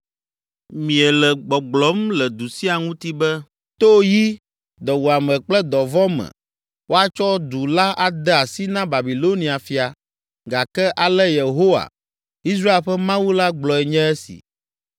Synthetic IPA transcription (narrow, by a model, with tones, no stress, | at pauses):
mĩ˨ɛ˨lɛ˨ɡ͡bɔ˨ɡ͡blɔ˨˦mlɛ˨d̪u˨si˦a˨ŋũ˦t̪i˦bɛ˦ | t̪o˦ji˦ | d̪ɔ˨wu˨a˨mɛ̃˨k͡plɛ˦d̪ɔ˨vɔ˦mɛ̰̃˨ | wo˦a˦t͡ʃɔ˦d̪u˨la˦a˨d̪ɛ˦a˨si˦nã˦ba˨bi˨lo˦nĩ˨a˨fi˨a˨ | ɡa˨kɛ˦ʔa˨lɛ˦je˨ɦo˦wa̰˨ | i˦s̬ɾa˦e˨lɸɛ˦mã˦wu˦la˦ɡ͡blɔ˨ɛ˨ɲɛ̃˦ɛ˦sḭ˨